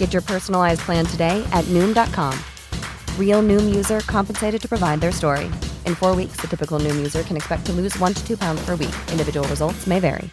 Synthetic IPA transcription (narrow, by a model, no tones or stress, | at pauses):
ɡ̥ɛt͡ʃə˞pʰɜ˞sn̩l̩ˠaɪzpʰl̥æ̃ntʰɨdeɪʔɨtⁿnʉ̃mdɑt̚kʰɑ̃m | ɹilˠnʉ̃mjʉzə˞kʰɑ̃mpn̩seɪɾɨd̚tʰɨpɹ̥əvaɪd̪̚ðə˞stɔɹḭʔɨ̃nfɔɹwiksðɨtʰɪpɨkl̩ˠnʉ̃mjʉzə˞kʰɨ̃nɨkspɛk̚tʰəlʉzwʌ̃ntʰɨ̥tʰʉpʰãʊ̃ndz̥pʰə˞wḭkɪ̃ndɨvɪd͡ʒəwl̩ˠɹəzʌlˠtsmeɪvɛ̰ɹḭ